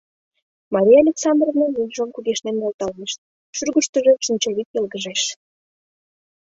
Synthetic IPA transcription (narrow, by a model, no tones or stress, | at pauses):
mɑɾʲijɑlʲeksɑnd̪rovnonujʒomkuɣeʃnenjolt̪ɑlmeʃt̪̚ | ʃyrɣəʃt̪ə̆ʒeʃint͡ɕɑβik̪jelɣəʒeʃ